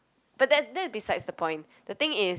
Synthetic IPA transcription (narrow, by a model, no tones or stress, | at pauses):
b̥at̚dɛt̚dɛt̚bisaɪdsdəpʰɔ̃ɪ̃n | dət̪ɪ̃ŋɪ